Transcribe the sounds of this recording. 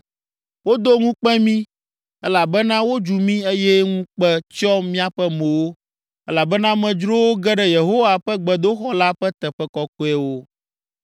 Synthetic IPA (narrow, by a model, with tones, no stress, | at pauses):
wo˦d̪o˦ŋũ˦k͡pɛ˦mĩ˦ | ɛ˦la˨bɛ˦nã˦wo˦d͡ʒu˨mĩ˦e˦jɛ˦ŋũ˦k͡pɛ˦t͡ʃɔ˦mĩ˦a˨ɸɛ˦mẽ˨wo˦ | ɛ˦la˨bɛ˦nã˦mɛ̃˨d͡ʒɾo˦wo˦ɡɛ˦ɖɛ˨je˨ɦo˦wa˨ɸɛ˦ɡ͡bɛ˨d̪o˦xɔ˦la˦ɸɛ˦t̪ɛ˨ɸɛ˦kɔ˦ko˦ɛ˦wo˦